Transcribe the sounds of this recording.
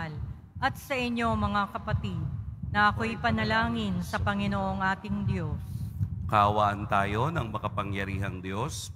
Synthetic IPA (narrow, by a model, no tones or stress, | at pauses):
l | ʔɐt̪̚sɐʔɪɲjo̞mɐŋakɐpɐt̪id̪̚nɐʔɐko̞jpɐnɐlaːŋɪnsɐpɐŋɪnoʔoŋʔaːt̪ɪŋd̪jo̞skɐɐwaːʔɐnt̪aːjo̞nɐŋmɐkɐpɐŋjɐɾiːɦɐŋd̪jo̞s